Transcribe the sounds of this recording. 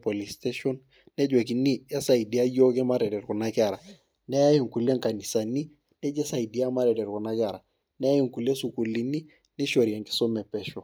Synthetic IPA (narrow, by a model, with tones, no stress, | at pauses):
po˨li˨ste˦ʃɔ˦n | nɛ˦d͡ʒwe˨ki˨ni˦a˦sa˨i˨di˨a˦jo˦kɛ˦ma˦ɾe˨dɛ˨ɾku˨na˦kɪ˦a˨ɾa˨ | nɛ˦ja˦je˨ŋku˨le˦ŋka˨ni˨sa˨ni˦ | nɛ˦d͡ʒɛ˦sa˨i˨di˨a˦ma˦ɾɛ˨dɛ˨ɾku˨na˦kɪ˦a˨ɾa˨ | nɛ˦a˦ji˦˨ŋku˨le˦su˨ku˨li˦ni˦ | nɛ˦ʃo˨ɾi˨a˨ŋki̥˦so˦mɛ˨pɛ˦ʃo˨